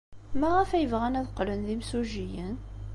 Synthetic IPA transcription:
mæʁæfæjəvʁænæðqlənðimsuʒijən

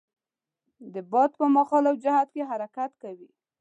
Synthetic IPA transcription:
d̪əbɑd̪pəmaxɑlawd͡ʒahad̪keɦaɾakat̪kawi

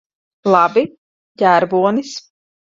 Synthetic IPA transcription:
lˠɑbi | jæːɾbuɔnis

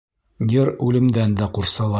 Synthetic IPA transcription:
jɘɾʉlɘ̆md̪ænd̪æquɾsɑlˠɑ

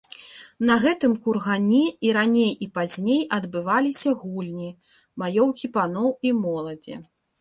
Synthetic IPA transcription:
nɐɣɛt̪ɨmkurɣanʲɛiɾanʲejipazʲnʲejʔɐd̪bɨvalʲisʲɐɣulʲnʲi | majɔwkʲipanɔwimɔlˠɐd͡zʲḭ

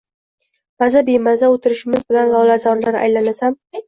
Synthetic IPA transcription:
mazabemazaot̪ʰɪɾɪʃɪmɪzbɪlanlɒlazɒnlaɾa̰jlanasam

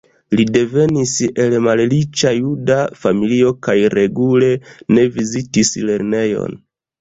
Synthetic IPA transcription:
lide̞ve̞nise̞lmallit͡ʃajudafamilio̞kajɾe̞ɡule̞ne̞vizitisle̞ɾne̞jo̞̰n

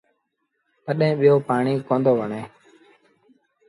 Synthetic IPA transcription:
t̪əɗẽːɓɪjoːpaːɳiːkõːnd̪oːʋəɳẽː

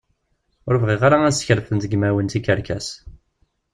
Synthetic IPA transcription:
ʊɾvʁiʁaɾaæsə̥çɾθənt̪əɡmæwənt̪ikːəɾkæ̰s

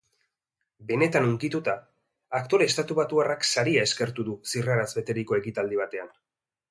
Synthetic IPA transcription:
be̞ne̞t̪anuŋkit̪ut̪aː | kt̪o̞ɾe̞ːst̪at̪uβat̪uaraksaɾiae̞ske̞ɾt̪uðusiraɾazβe̞t̪e̞ɾiko̞e̞kit̪ald̪iβ̞at̪e̞an

